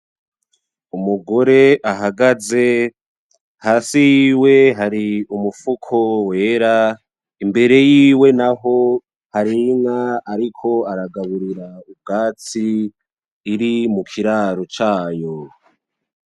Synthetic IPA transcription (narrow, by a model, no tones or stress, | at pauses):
umuɡo̞ɾe̞ʔaɦaɡaze̞ | haːsijiːwe̞ɦaɾiumufukʰo̞we̞ːɾa | imbe̞ɾe̞jiːwe̞naɦo̞ | haɾiŋaːɾikʰo̞aɾaɡaβuɾiɾaub̚ɡaːt͡siː | ɾimukʰiɾaːɾot͡ʃaːjo